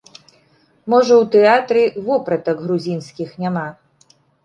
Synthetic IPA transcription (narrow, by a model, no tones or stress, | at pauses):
mɔʐɐwt̪ɛat̪ɾʲivɔpɾɐt̪ɐkɣɾuzʲinsʲkʲixnʲama